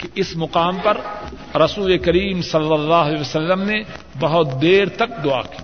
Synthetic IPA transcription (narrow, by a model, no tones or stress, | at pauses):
kiɪsmʊqaːmpɐɾ | ɾɐsuːlekɐɾiːmsɐlːəlːaːɦeəsəlːəmne | bɐɦʊt̪̚d̪eːɾt̪ɐk̚d̪ʊa̰ːki